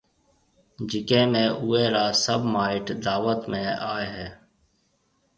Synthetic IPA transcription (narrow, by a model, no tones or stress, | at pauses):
d͡ʒɪkẽːmẽːʔuːeːɾaːsəbmaːɪʈd̪aːʋət̪mẽːaːeɦɛː